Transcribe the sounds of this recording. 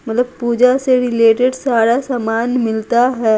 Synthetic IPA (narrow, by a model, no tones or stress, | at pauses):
mɐt̪ləb̚puːd͡ʒaseɾɪleːʈeɖsaːɾasaːmaːnmɪlt̪aɦɛː